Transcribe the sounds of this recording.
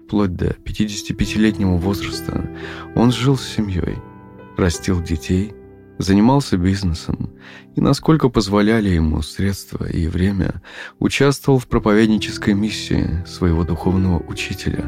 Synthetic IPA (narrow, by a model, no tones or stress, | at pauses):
plˠod̚ʲd̪ə̰pʲɪtʲidʲɪsʲɪ̥tʲɪpʲɪtʲɪlʲetʲnʲɪvəvo̞zrəst̪ə̰o̞̰nʐɨlˠsʲːɪmʲjo̞̰j | rɐsʲtʲilˠdʲɪtʲej | zənʲɪmɑlˠsʲəbʲiznəsəm | inʔɐsko̞lʲkəpəzvɐlʲælʲɪjɪmṵsɾʲe̞t̪st̪və̰ʔḭvɾʲemʲə̰ʊt͡ɕast̪vəvəlˠfpɾəpɐvʲedʲnʲɪt͡ɕɪskəjmʲisʲːɪ̰ɪ̰svəjɪvo̞d̪ʊxo̞vnəvəʔʊt͡ɕitʲɪlʲə̰